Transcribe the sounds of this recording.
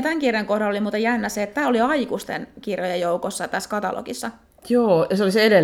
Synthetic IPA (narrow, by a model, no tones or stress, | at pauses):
t̪æŋkirjɑŋkohɾɑlolimuːt̪ɑjænːæseːt̪t̪æːoliɑikust̪ḛnkirjojejjoukosːɑt̪æskɑt̪ɑ̰lʔo̰kisːɑ | joːjɑseolisede